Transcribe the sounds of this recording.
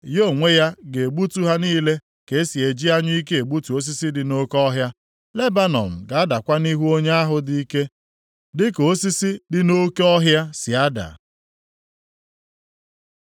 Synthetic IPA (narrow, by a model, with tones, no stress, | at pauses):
jo˦˨ŋʷe˦ja˦ɡe˨e˨ɡ͡bu˦tu˦ɦa˦niː˦le˦ | ke˨˦si˨e˨d͡ʒi˦a˦ɲi˦i˦k̬e˦e˨ɡ͡bu˦tu˨o˦s̬i˦si˦dɪ˨no˦kɔ˦ɦja˦ | le˦ba˦nɔ̰˨m̩˨ɡa˨a˦da˨kʷa˦ni˦ɦu˦o˦ɲe˦a˦ɦʊ˨di˨i˦ke˦ | dɪ˦ko˦si˦si˦dɪ˦no˦kɔ˦ɦja˦sɪ˨a˦da̰˨